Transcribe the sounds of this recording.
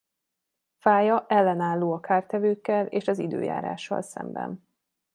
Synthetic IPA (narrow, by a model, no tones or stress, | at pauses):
faːjɒʔɛlːɛnaːlːoːɒkaːrt̪ɛvøːkːɛleːʃɒzid̪ø̰ːja̰ːɾa̰ːʃːɒ̰lsɛ̰mbɛ̰n